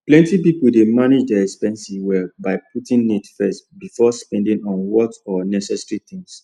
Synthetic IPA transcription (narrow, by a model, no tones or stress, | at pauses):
plɛ̃ntipipuldemaned͡ʒdɛɛkspɛ̃nsiwɛbaɪputĩŋnitfɛstbifɔspɛ̃ndĩŋɔ̃nwɔtɔnɛsɛsəɹit̪ĩŋs